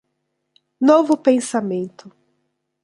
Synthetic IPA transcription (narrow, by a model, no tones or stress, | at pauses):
novʊpẽsamẽnt̪ʊ